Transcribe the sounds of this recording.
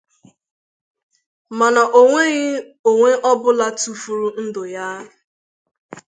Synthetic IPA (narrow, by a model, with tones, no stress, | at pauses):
ma˨na˨ʔo˨ŋʷe˦ɣɪ˦ | o˨ŋʷe˦ʔɔ˦bʊ˦la˦tu˦fu˨ɾu˦n̩˦dʊ˨ja˦